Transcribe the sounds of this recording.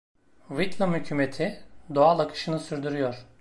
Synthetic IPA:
vit̪lamhycʰymet̪ʰid̪oalˠakʰɯ̥ʃɯnɯsyɾd̪yɾyjo̞ɾ̥

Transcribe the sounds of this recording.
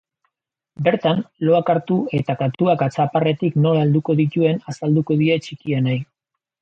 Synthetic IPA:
be̞ɾt̪anlo̞akaɾt̪ue̞t̪akat̪uakat͡sapare̞t̪ikno̞laeld̪uko̞ðit̪ue̞nasald̪uko̞ðie̞t͡ʃikianaj

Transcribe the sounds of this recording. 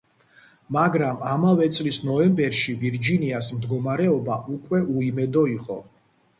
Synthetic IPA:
maɡɾamamavɛt̪sʼlisnɔɛmbɛɾʃiviɾd͡ʒiniasmd̪ɡɔmaɾɛɔbaʔukʼwɛʔuimɛd̪ɔiqʼɔ̰

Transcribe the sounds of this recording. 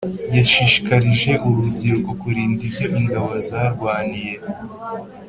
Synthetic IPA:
jaʃiːʃi̥kaɾiʒe̞ʔuβubɟiɾukokuɾiːndibjo̞ʔiŋɡaβozaɾɡwaːnije̞

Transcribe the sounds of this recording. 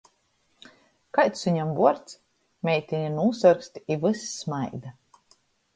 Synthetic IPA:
kajt̪suɲamvuɔɾt̪s | mʲɛjt̪ʲiɲinuːsaɾkst̪ʲiivɨsːmajd̪a

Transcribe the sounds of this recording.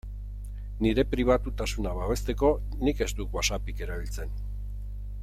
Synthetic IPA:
niɾe̞pɾiβ̞at̪ut̪asunaβaβe̞st̪e̞ko̞ | nike̞zd̪ukwasapike̞ɾaβ̞ilt͡se̞n

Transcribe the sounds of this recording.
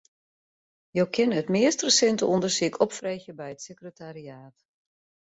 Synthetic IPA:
jowkʰɪnətmɪəstrəsɛntəundərsiəkʰɔpfrejxjəbɛjətsəkrətaɾiaːt

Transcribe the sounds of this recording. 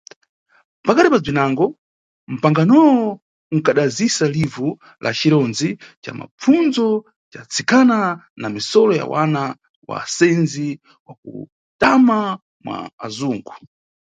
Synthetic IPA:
pakaɾipab͡ʐinaŋɡɔ | m̩paŋɡanɔwɔ | ŋ̩kaɗazisalivu | lʔa̰t͡ʃiɾɔnzit͡ʃa̰ma̰p͡fund͡zɔ | t͡ʃat͡sʰikananamisɔlɔja̰wa̰na | wa̰sɛnzi | wakṵ | tama | mwa̰ːzuːŋɡu

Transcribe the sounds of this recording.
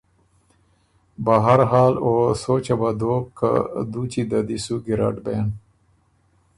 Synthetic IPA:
baɦaɾɦaːlosot͡ʃabad̪oka̰d̪ut͡ʃid̪ad̪isuɡiɾa̰ʈben

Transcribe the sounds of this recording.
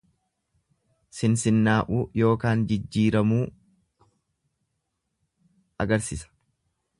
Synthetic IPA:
sɪnsɪnːaːʔuːjo̞ːkaːnd͡ʒɪd͡ʒːiːɾɐmuː | ɐɡɐɾsɪsɐ̥

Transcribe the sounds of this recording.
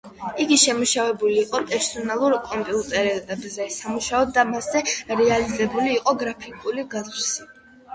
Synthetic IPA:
iɡiʃɛmuʃavɛbuliːqʼɔpʼɛɾsɔnalˠuɾkʼɔmpʼiut̪ʼɛɾɛɛbzɛsamuʃaɔd̪ːamaszɛɾɛalizɛbuliːqʼɔɡɾapʰikʼuliɡat̪si

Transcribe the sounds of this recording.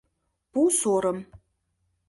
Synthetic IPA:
b̥usoːɾɐm

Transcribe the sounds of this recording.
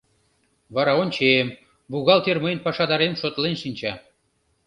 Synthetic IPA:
βɑɾɑonʲt͡ɕem | buɣɑlt̪ermejnpɑʃɑd̪ɑɾemʃot̪lenʃinʲt͡ɕɑ

